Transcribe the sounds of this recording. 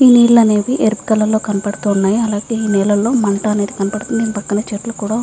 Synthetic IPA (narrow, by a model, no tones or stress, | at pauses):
iːniːɽlɐne̞ːʋiʔeɾpi̥kɐlːɐlːo̞ːkɐnɐpɐɽut̪uːnːaːjiɐlaːɡeiːnɛːlɐlːo̞ːmɐɳʈɐɐne̞ːd̪ikɐnɐpɐɽut̪und̪inpɐkːɐnɐt͡ʃeːʈlukuːɽaː